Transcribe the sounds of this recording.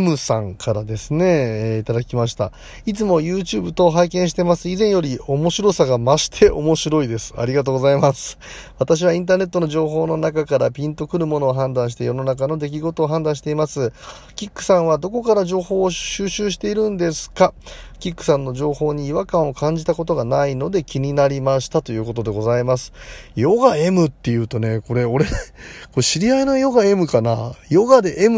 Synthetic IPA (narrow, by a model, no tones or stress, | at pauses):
mɯ̟sã̰ŋkʰaɾad̪e̞sɨne̞it̪ad̪akʲimaɕ̬i̥t̪a̰ | it͡sɨmo̞jɯːt͡ɕɨːbɯ̟t̪o̞ɦaikẽ̞ɕi̥t̪e̞masɨizẽɰ̃jo̞ɾʲio̞mo̞ɕiɾo̞saɡamaɕi̥t̪ʰe̞ʔo̞mo̞ɕiɾo̞id̪e̞sɨ̥a̰ɾʲiɡat̪oːɡo̞zaimasɨ̥ | βat̪aɕ̬iβaĩnt̪aːne̞t̪ːo̞no̞ʑo̞ːɦo̞ːno̞nakakaɾapʲĩnt̪o̞kɯ̟ɾɯ̟mo̞no̞ːɦãnd̪ãɕ̬it̪ejo̞no̞nakano̞d̪e̞k̬ʲiɡo̞t̪oːɦãnd̪ãɕ̬i̥t̪e̞imasɨ | kʲikːɯ̟̥sãɰ̃βad̪o̞ko̞kaɾaʑo̞ːho̞ːɕɨːɕɨːɕ̬i̥t̪e̞iɾɯ̟̃nd̪e̞sɨ̥kakʲikːɯ̟̥sãnːo̞ʑo̞ːho̞ːɲ̟iːβakãɰ̃o̞kãɲ̟d͡ʑit̪ako̞t̪o̞ɡanaino̞d̪e̞kʲiɲ̟inaɾʲimaɕi̥t̪at̪o̞jɯ̟ːko̞t̪o̞d̪e̞ɡo̞zaimasɨ̥jo̞ɡae̞mɯ̟t̪ːe̞jɯ̟ːt̪o̞ne̞ko̞ɾe̞o̞ɾe̞koɕiɾʲiainajo̞ɡae̞mɯ̟kanajo̞ɡad̪e̞ʔemɯ